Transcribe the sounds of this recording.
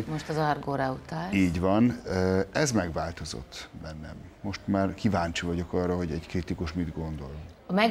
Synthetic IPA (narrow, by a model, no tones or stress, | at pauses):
moʃt̪ɒzɒrɡoːɾaut̪aːiːɟvɒnɛzmɛɡvaːlt̪o̞zo̞̰t̪ːbɛnːɛmːo̞ʃt̪maːrkivaːɲt͡ʃivɒɟo̞kɒrːɒɦo̞ɟɛɟkɾrit̪ikuʃmid̪ɡo̞nd̪o̞lmɛɡ